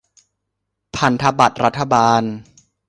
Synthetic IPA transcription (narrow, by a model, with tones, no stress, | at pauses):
pʰa˧nt̪ʰa˧ba˨˩t̪̚ɾa˦˥t̪ʰːa˧baː˧n